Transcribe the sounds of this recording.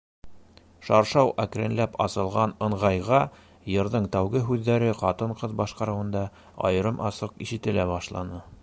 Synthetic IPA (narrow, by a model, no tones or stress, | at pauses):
ʃɑɾʃɑwʔækɾʲenlæpɑsɤ̆lˠʁɑnɤ̆ɴʁɑjʁɑ | jɤ̆ɾðɤɴt̪æwɡɘɦʉðːæɾɘqɑt̪ɤɴqɤðbɑʃqɑɾɤ̆wɤ̆nd̪ɑ | ɑ̰jɤ̆ɾɤmʔɑsɤqiʃɘ̆t̪ɘ̆læbɑʃlˠɑ̰nɤ